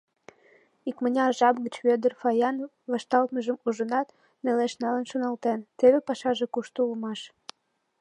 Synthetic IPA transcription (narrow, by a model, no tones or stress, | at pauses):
ikmənʲeɑʒɑbɣət͡ɕβød̪ərfɑjɑn | βɑʃt̪ɑlt̪məʒəmuʒənɑt̪ | neleʃnɑlənʃonɑlt̪ent̪eβepɑʃɑʒekuʃt̪uulmɑʃ